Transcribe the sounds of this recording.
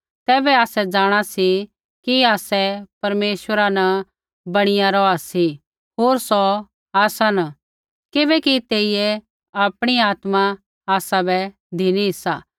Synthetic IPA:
t̪ɛːbɛaːsɛd͡ʒaːɽ̃asi | kiaːsɛpɐɾmeːʃʋəɾanɐ | bɐɽ̃ɪjaɾɔasi | ɦoːɾsɔ | aːsan | kɪbɛkit̪eːijɛ | aːpɽ̃iaːt̪ma | aːsabɛ | d̪ʱiniɦɪsaː

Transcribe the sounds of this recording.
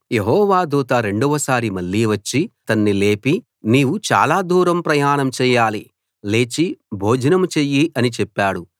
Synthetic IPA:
je̞ɦɔːʋaːd̪uːt̪aɾe̞ɳɖɔʋɐsaːɾimɐɭːiːʋɐt͡ʃːit̪ɐnːile̞ːpi | niːʋut͡ʃa̰ːlaːd̪uːɾɐmpɾɐjaːɳɐmt͡ʃɛːjaːli | le̞ːt͡ʃibʱoːd͡ʒɐnɐmt͡ʃeːjiʔɐnit͡ʃɛpːaːɽu

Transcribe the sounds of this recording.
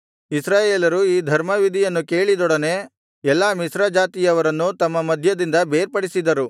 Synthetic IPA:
isɾaːjeːlɐɾuiːd̪ʱɐɾmɐʋid̪ʱijɐnːuke̞ːɭid̪ɔɽɐne̞ | ɛlːaːmisɾɐd͡ʒaːt̪ijɐʋɐɾɐnːut̪ɐmːɐmɐd̪ʱjɐd̪ind̪ɐbeːɾpɐɽisid̪ɐɾu

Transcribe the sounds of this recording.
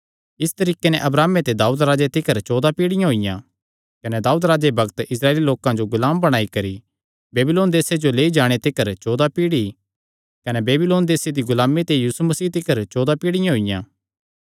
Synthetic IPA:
ɪst̪ɐɾiːkenɛ̃ʔɐbɾaːmet̪ed̪aːuːd̪ɾaːd͡ʒet̪ɪkəɾt͡ʃoːd̪apiːɽɪjãɦoɪjã̰ | kɐnɛd̪aːuːd̪ɾaːd͡ʒebʱɐɡt̪ɪs̬ɾaːeːliloːkãd͡ʒoɡʊlaːmbɐɽ̃aːikɐɾi | beːbɪloːnd̪eːsed͡ʒoleːid͡ʒaːɽ̃et̪ɪkəɾt͡ʃoːd̪apiːɽi | kɐnebeːbɪloːnd̪eːsed̪iɡʊlaːmːet̪ejuːsumɐsiːt̪ɪkəɾt͡ʃoːd̪apiːɽɪjãɦoɪjãː

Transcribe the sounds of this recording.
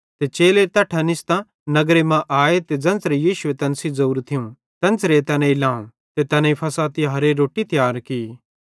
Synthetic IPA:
t̪et͡ʃeːlet̪ɐʈʰanɪst̪ã | nɐɡɾemãʔaːet̪ed͡zɐ̃nt͡sɾejiːʃʊet̪ɐnsizouːɾt̪ʰɪũ | t̪ɐ̃nt͡sɾet̪ɐnẽilãːũ | t̪et̪ɐnaipʰɐsaːt̪iɦɐɾeɾoːʈit̪jaːɾkiː

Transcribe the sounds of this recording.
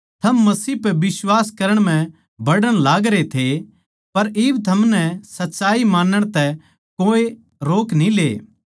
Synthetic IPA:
t̪ʰɐmːɐsiːpɛbɪswaːskɐɾəɽ̃m̤ɛ̃ | bɐɽəɽ̃laːɡɾet̪ʰe | pɐɾɪbt̪ʰɐmnɛsɐtːʃaːimãːnəɽ̃t̪ɛ | koːe | ɾoːknĩlḛː

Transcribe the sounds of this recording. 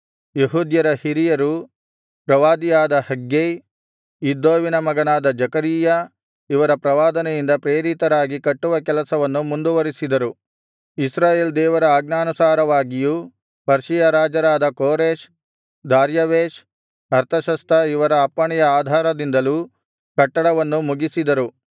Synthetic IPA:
jeɦuːd̪jɐɾɐhiɾijɐɾu | pɾɐʋaːd̪ijaːd̪ɐhɐɡjej | id̪ːoːʋinɐmɐɡɐnaːd̪ɐd͡ʒɐkɐɾiːja | iʋɐɾɐpɾɐʋaːd̪ɐnɛjind̪ɐpɾeːɾit̪ɐɾaːɡikɐʈːuʋɐkɛlɐsɐʋɐnːumund̪uʋɐɾisid̪ɐɾu | isɾaːjeːld̪ɛːʋɐɾɐaːɡnaːnusaːɾɐʋaːɡiju | pɐɾʃijɐɾaːd͡ʒɐɾaːd̪ɐkoːɾeːʃ | d̪aːɾjɐʋeːʃ | ɐɾt̪ʰɐʃɐst̪ʰɐiʋɐɾɐːpːɐɳɛjɐaːd̪ʱaːɾɐd̪ind̪ɐluː | kɐʈːɐɽɐʋɐnːumuɡisid̪ɐɾu

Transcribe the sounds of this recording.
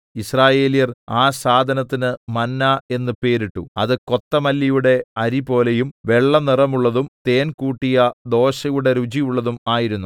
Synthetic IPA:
israːje̞ːlijɐraːsaːd̪ʱɐnɐt̪ːinɨmɐnːae̞nːɨpe̞ːɾiʈːuɐ̰ðɨko̞t̪ːɐmɐlːijuɽe̞ɐɾipo̞ːlejumʋe̞ɭːɐnirɐmuɭːɐðumt̪e̞ːnkuːʈːijɐd̪o̞ːɕɐjuɽe̞ɾud͡ʑijuɭːɐðumaːjiɾunːu

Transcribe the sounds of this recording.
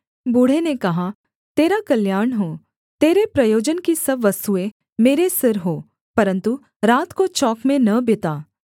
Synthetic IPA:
bʊɽ̤enekɐɦa | t̪eːɾakɐljaːɾɳɦoː | t̪eːɾepɾɐjoːd͡ʒənkisɐbʋɐst̪uẽ | meːɾesɪɾɦoː | pɐɾə̃nt̪u | ɾaːt̪kot͡ʃɔːkmẽnɐbɪt̪aː

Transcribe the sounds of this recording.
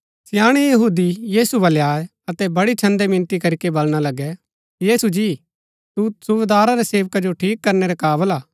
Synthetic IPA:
sɪjaːɽ̃ijɐɦuːd̪ijiːsubɐljaːe | ɐt̪ɛbɐɽit͡ʃʰɐ̃nd̪emɪ̃nt̪ikɐɾikebɐlɽ̃alɐɡɛ | jiːsud͡ʒiː | t̪usʊʋed̪aːɾaɾɛseːʋkad͡ʒoʈʰiːkːɐɾneɾɛkaːbəlaː

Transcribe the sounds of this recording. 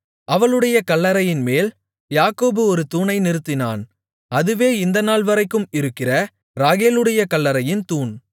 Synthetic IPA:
ɐʋɐɭɯɽɐjɐkɐlːɐɾɐjɪnmeːl | jaːkoːbɯɔɾɯt̪uːnɐɪnɪɾɯt̪ːɪna̰ːn | ɐðɯʋeːɪnd̪ɐnaːlʋɐɾɐɪkːɯmɪɾɯkːɪrɐ | ɾaːɣeːlɯɽɐjɐkɐlːɐɾɐjɪnt̪uːn

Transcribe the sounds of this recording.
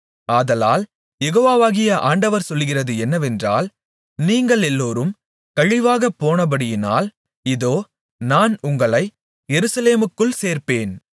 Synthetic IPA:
aːðɐlaːl | jɛɣoːʋaːʋaːɣɪjɐʔaːɳɖɐʋɐɾsɔlːɣɪrɐðɯɛnːɐʋɛndra̰ːl | niːŋɡɐɭɛlːoːɾɯm | kɐɻɪʋaːɣɐpːoːnɐbɐɽɪjɪna̰ːl | ɪðoː | naːnʊŋɡɐɭɐɪ | jɛɾɯsɐleːmɯkːɯɭseːɾpeːn

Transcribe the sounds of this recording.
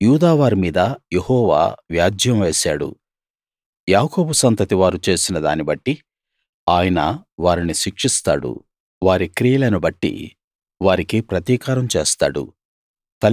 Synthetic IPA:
juːd̪aːʋaːɾimiːd̪ɐjehɔːʋa̰ːʋjaːd̪ʱjɐmʋe̞ːsaːɽṵ | jaːko̞ːbusɐnt̪ɐt̪iʋaːɾut͡ʃe̞ːsinɐd̪a̰ːnibɐʈːi | aːjɐnɐʋaːɾiniʃikʂist̪a̰ːɽṵ | ʋaːɾikɾijɐlɐnubɐʈːḭ | ʋaːɾikipɾɐt̪iːkaːɾɐmt͡ʃeːst̪a̰ːɽṵ | t̪ɐ

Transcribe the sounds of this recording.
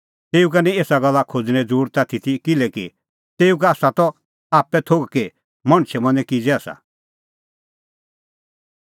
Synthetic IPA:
t̪eːuk̬anĩeːsaɡɐlːakʰod͡zñɛ̃d͡zuːɾt̪at̪ʰit̪ʰikɪlɛki | t̪eːuk̬aaːsat̪ɔ | aːpːɛt̪ʰoɡke | mɐɽ̃t͡ʃʰɛmɐ̃nd͡zɛ̃kid͡zɛaːsa̰

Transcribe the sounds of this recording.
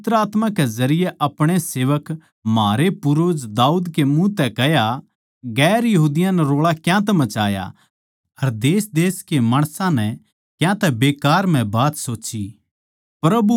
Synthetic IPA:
ɪt̪ɾəaːt̪mãkezɐɾɪjeʔɐpɽ̃eseːʋək | maːɾepʊɾoːd͡ʒd̪aːuːd̪kemũt̪ɛkɛja | ɡɛːɾjɐɦuːd̪ɪjãnɛɾoːɭakjãt̪̬ɛmɐt͡ʃa̰ːja̰ | ɐɾd̪eːsd̪eːskemaːɽ̃sãnɛ | kjãt̪ɛbeːkaːɾm̤ɛ̃baːt̪soːt͡ʃi | pɾɐbu

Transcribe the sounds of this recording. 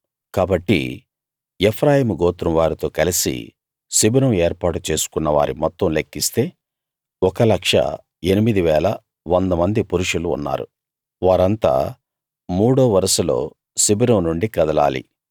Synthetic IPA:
kaːbɐʈːḭ | epʰɾaːɦiːmuɡɔːt̪ɾɐmʋaːɾit̪o̞ːkɐlisḭ | sibinɐmeːɾpaːʈut͡ʃe̞ːsu̥kunːɐʋa̰ːɾḭmɔt̪ːɐmlekːist̪e̞ː | ɔkɐlɐkʂɐ̰ | e̞nimid̪iʋɛːlɐ | ʋond̪ɐmɐnd̪ipuɾuʂulṵːnːa̰ːɾṵ | ʋaːɾɐnt̪a̰ː | muːɽoːʋɐɾɐsɐlo̞̰ː | sibinɐmnuɳɖikɐd̪ɐla̰ːlḭ

